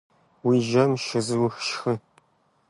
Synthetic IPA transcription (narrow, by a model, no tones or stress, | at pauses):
wiːʒɐmʃɨzɨwxʃxɨ